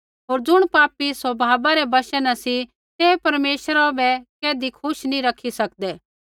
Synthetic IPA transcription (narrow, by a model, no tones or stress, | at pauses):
ɦoːɾd͡ʒʊɽ̃paːpiswɐbʱaːbaɾɛbɐʃənasi | t̪eːpɐɾmeːʃɾabɛkeːd̪ikʰʊʃnĩɾɐkʰːisɐkd̪ɛː